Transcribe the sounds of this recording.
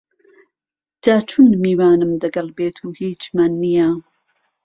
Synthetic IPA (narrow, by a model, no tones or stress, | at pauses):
d͡ʒ̥aːt͡ʃʰunmiːwaːnɨmd̪ɐɡɐlbeːt̪ʰuːhiːt͡ʃmanːija